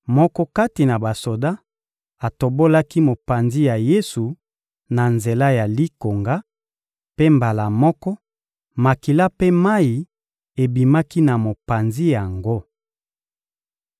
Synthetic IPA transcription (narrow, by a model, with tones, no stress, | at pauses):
mɔ˦kɔ˦ka˦ti˨na˨ba˨so˨da˦ | a˨to˨bo˦la˦ki˦mo˨pa˨nzi˦ja˨je˦su˨ | na˨nze˨la˦ja˨li˦ko˨ŋɡa˦ | pe˦mba˨la˨mɔ˦kɔ˦ | ma˨ki˨la˦pe˦ma˦i˨ | e˨bi˨ma˦ki˦na˨mo˨pa˨nzi˦ja˨ŋɡo˦